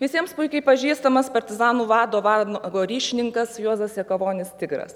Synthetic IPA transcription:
ʋʲɪsʲiɛmspʊɪkʲɐɪpɐʒʲiːst̪ɐmɐspɐɾʲt̪ʲɪzɑːnuːʋɑːd̪oːʋɑːnːɡoːɾʲiːʃʲɪnʲɪŋkɐsjuɔzɐsjʲɛkɐʋoːnʲɪst̪ʲɪɡɾɐ̰s

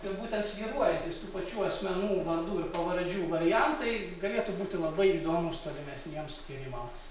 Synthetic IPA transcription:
ɪrbuːt̪ʲɛnt̪sʲʋʲiːɾuɔjɛt̪ʲɪst̪uːpɐt͡ʃʲuːɐsʲmʲɛnuːʋɐnd̪uːɪrpɐʋɐɾd͡ʒʲuːʋɐɾʲɪjɛnt̪ɐɪɡɐlʲeːt̪ubuːt̪ʲɪlˠɐbɐɪiːd̪oːmʊst̪oɔlʲɪmʲɛsʲnʲiɛmspʲɪɾʲɪmɐʊ

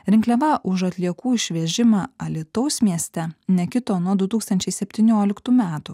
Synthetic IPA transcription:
ɾʲɪŋklʲɛʋɐʔʊʃɐt̪ʲlʲiɛkuːɪʃʲʋʲɛʒʲɪmɑːɐlʲɪt̪ɐʊsmʲiɛsʲt̪ʲɛnʲɛkʲɪt̪oːnuɔd̪ʊt̪uːkst̪ɐnʲt͡ʃʲɛɪsʲɛpʲt̪ʲinʲoːlʲɪkt̪uːmʲæːt̪u

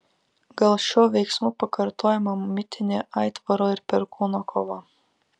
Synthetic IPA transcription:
ɡ̥ɐlˠʃʲuːʋʲɛjksmuːpɐkʰɐɾt̪ʰoːjɛmɐmmʲɪt̪ʲɪnʲeʔɐɪt̪ʋɐɾoːɪɾpʲɛɾkuːnokʰoʋɑ

